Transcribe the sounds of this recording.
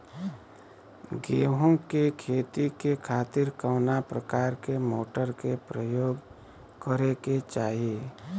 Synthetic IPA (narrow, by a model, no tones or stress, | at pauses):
ɡeːɦõkekʰeːt̪ikekʰaːt̪ɪɾkəːnapɾəkaːɾkemoːʈəɾkepɾəjoːɡ | kəɾeket͡ʃaːɦie